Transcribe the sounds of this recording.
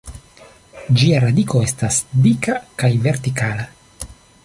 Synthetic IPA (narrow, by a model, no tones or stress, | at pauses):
d͡ʒiaɾadikoe̞stasdikakajve̞ɾtikala